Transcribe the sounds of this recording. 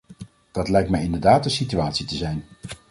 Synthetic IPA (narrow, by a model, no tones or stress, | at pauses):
d̥ɑtlɛjk̚tmɛjɪndəɹdaːtənsityaːtsitəzɛjn